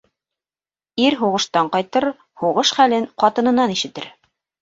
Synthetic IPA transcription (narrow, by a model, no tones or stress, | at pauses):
iɾɦuʁɤ̆ʃt̪ɑɴqɑjt̪ɤɾ | huʁɤʃχælɘɴqɑt̪ɤ̆nɤ̆nɑniʃɘ̆t̪ɘɾ